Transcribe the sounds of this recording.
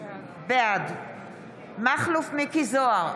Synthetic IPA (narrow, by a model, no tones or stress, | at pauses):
bead̪ | maχlufmikizoaʁ